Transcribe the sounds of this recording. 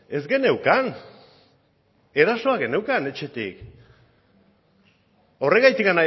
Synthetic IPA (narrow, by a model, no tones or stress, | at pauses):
e̞zɡe̞ne̞wkan | e̞ɾaso̞aɣe̞ne̞wkane̞t͡ʃe̞t̪ḭk | o̞reɣajt̪iɣana